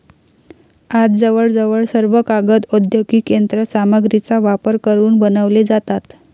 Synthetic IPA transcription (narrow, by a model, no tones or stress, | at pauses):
ad͡zd͡zəʋəɭd͡zəʋəɭsəɾʋəkaɡət̪əd̪ʱjoɡiːkend̪ɾəsaməɡɾit͡saʋapəɾkəɾuːnbənəʋled͡zat̪at̪